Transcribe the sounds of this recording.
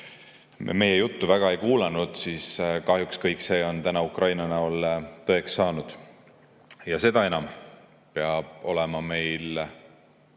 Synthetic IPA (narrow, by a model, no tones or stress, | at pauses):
me̞jejut̪ːuvæɡ̥ɑe̞jkuːlɑnud̪̥siːskɑhjukskɤjkːse̞ːo̞nt̪ænɑukrɑjnɑnæolt̪ɤeksːɑːnud̪̥ | jɑse̞d̪ɑe̞nɑm | peɑb̥̚o̞lɛmɑme̞jl